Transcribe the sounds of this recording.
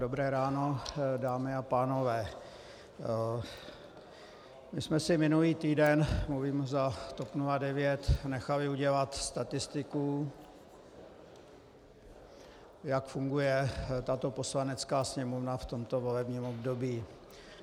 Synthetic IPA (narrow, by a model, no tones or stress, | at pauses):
dobɾɛːɾaːnodaːmɪapaːno̞vɛː | mɪsmɛsɪmɪnuliːt̪iːdɛnmluviːmzat̪opnuladɛvjɛt̪nɛxalɪuɟɛlat̪st̪at̪ɪst̪ɪku | jakfuŋɡujɛt̪at̪o̞po̞slanɛt͡skaːsɲɛmovnaft̪o̞mt̪o̞vo̞lɛbɲiːmo̞bdobiː